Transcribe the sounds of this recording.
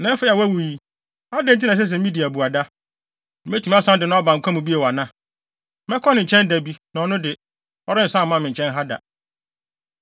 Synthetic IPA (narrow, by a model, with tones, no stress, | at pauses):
nã˨˦ɛ˦fe˦a˨wæ˦wu˨ji˨ | a˦dɛ̃˦n˦t̬ʰi˦nã˨s̬ɛ˦s̬ɛ̃˨˦mĩ˦di˨æ˨bu˨a˨da˦ | me˦tʰu˦mã˦sã˦ndɪ˨nʊ̃˦bã˨ŋ̩˨kʷʰa˦mũ˨bi˦e˨wa˨nã˦ | mɛ˦kʰɔ˦nɪ̃˨ɲ̩˨t͡ɕʰɛ̃˦ndæ˨bi˦nã˨ɔ˨nʊ̃˦dɪ˨ | ɔ˦ɾɪ˦n̩˨sã˦˨mã˦˨mɪ̃˨ɲ˨t͡ɕʰɛ̃˦nɦa˦da̰˨